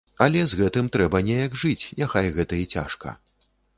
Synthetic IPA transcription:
ɐlʲɛzɣɛt̪ɨmt̪ɾɛbɐnʲɛjɐɡʐɨt͡sʲnʲaxajɣɛt̪ɐit͡sʲa̰ʂkɐ̰

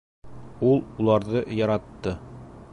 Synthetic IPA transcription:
ulˠulˠɑɾðɤjɒɾɑt̪ːɤ

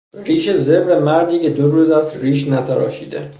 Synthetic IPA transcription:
riːʃezebɾemæɾd̪iːcʲe̞d̪oɾuːzæst̪riːʃnæt̪ʰæɾɒ̰ːʃiːd̪ḛ

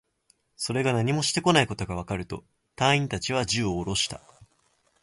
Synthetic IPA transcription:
so̞ɾe̞ɡanaɲ̟imo̞ɕi̥t̪e̞ko̞naiko̞t̪o̞ɡaβ̞akaɾɯ̟t̪o̞ | t̪ãɰ̃ĩnt̪at͡ɕiβ̞ad͡ʑɨːoːɾo̞ɕi̥t̪a̰

